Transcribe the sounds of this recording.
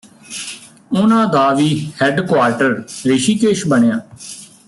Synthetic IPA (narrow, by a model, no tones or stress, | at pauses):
ʊnãːd̪aːʋiːhɛːɖkwaːɾʈəɾɾeːʃiːkeːʃbəɳejãː